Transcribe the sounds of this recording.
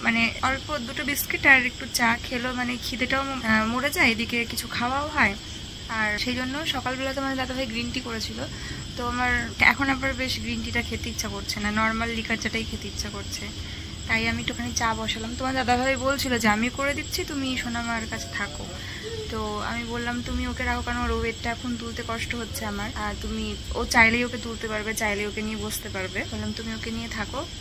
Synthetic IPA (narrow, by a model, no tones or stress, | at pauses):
maneɔɾek̚poɾ̚d̪uʈobiskeʈaɾek̚ʈut͡ɕakʰelomanekʰid̪eʈaomoɾed͡ʑaeed̪ikekit͡ɕʰukʰaoaoɦɔe | aɾʃejd͡ʑonːoʃɔkalbɛlat̪̬omaned̪ad̪abʱabeɡɾinʈikoɾet͡ɕʰilo | t̪oamaɾɛ̰kʰonabaɾbeʃɡɾinʈiʈakʰet̪eitːɕʰakoɾt͡ɕʰenanɔɾmalːikaɾd͡ʑaʈajkʰet̪eitːɕʰakoɾt͡ɕʰe | t̪ajamiʈokʰanit͡ɕabɔʃalamt̪omaɾd̪ad̪abʱabebolt͡ɕʰilod͡ʑeamiokoɾed̪it̪ːɕʰit̪umiʃonamaɾkat͡ɕʰe̥t̪ʰako̰ | t̪oa̰mibolːamt̪umiokeɾakʰokanoɾobek̚ʈːaɛkʰont̪ult̪ekɔʃʈoɦotːʰeamaɾaɾt̪umiot͡ɕajlejoket̪ult̪epaɾbet͡ɕajleokeniebod͡ʑʱt̪epaɾbebolamt̪umiokenijet̪ʰako